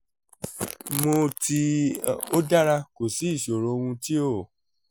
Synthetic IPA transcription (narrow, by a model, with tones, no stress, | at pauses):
mo˧ti˧o˦da˦ɾa˧ko˨si˨˦i˦˨ʃo˨ɾo˨˦˧wũ˧ti˦o˦˨